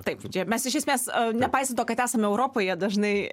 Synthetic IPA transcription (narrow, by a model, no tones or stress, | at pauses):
t̪ɐɪpt͡ʃʲɛmʲɛsɪʃʲɛsmʲeːsnʲɛpɐɪst̪ɐt̪oːkɐt̪æːsɐmʲɛʊɾoːpoːjɛd̪ɐʒnɐɪ